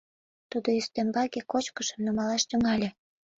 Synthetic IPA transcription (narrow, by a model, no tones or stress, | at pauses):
t̪ud̪oyst̪embɑɡekot͡ɕkəʃə̆mnomɑlɑʃt̪ʲə̆ŋɑlʲĕ